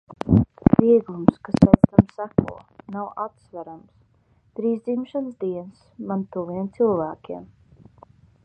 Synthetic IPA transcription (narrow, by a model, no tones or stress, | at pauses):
viɛɡlˠumskast̪ɛjt̪st̪amsækṵɔnawʔat̪svæɾams | d̪̥ɾiːzd̪zimʃansd̪iɛnsmant̪uviɛmt̪sɨlˠvæːkʲiɛm